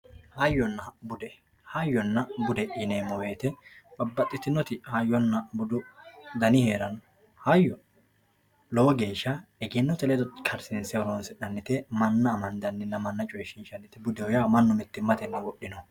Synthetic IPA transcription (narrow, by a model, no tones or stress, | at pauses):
hɐjːɔnːɐbʊd̪ɛ | hɐjːɔnːɐbʊd̪ɛʔineːmɔweːt̪ɛbɐbːɐt̪ʼːɪt̪ɪnɔt̪ɪhɐjːɔnːɐbʊd̪ʊd̪ɐnɪheːɾɐnɔ | hɐjːɔ | lɔwɔɡe̞ːʃːɐɛɡɪnːɔt̪ɛlɛd̪ɔt̪kʰɐɾsɪnsɛɔɾɔnsɛᶑɐnːɪt̪ɛmɐnːɐːmɐnd̪ɐnːɪnːɐmɐnːɐt͡ʃʼɔjʃɪnʃɐnːɪt̪ːɛbʊd̪ɛwɔjamɐnːɔmɛt̪ːɪmɐt̪ɛnːɐwɔɗːɪnɔ